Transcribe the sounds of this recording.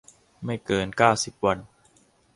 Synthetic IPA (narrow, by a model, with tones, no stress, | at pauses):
ma˥˩jkɤː˧nkaː˥˩wsi˨˩p̚wa˧n